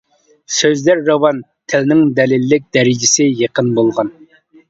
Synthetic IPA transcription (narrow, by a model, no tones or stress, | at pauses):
søzlæɾːɑwɑn | t̪ʰɪlnɪŋd̪ɛlɪlːɪk̚ʲd̪̥ɛɾɪd͡ʒɪsɪjeqʰənbolˠʁɑn